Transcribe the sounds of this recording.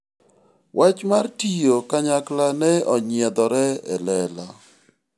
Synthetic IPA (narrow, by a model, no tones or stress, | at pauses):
wʔat͡ʃmartijokaɲaklanɛɔɲɪɛd̪ɔɾɛɛlɛla